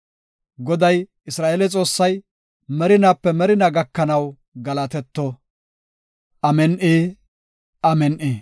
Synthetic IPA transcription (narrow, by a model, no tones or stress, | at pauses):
ɡɔd̪ɐj | ɪsɾaːʔelɛt͡sʼo̞ːsːɐj | mɛɾɪnaːpːɛmɛɾɪnɐɡɐkːɐnɐw | ɡɐlɐt̪ɛt̪ːɔ | ʔɐmɛnʔeː | ʔɐmɛnʔeː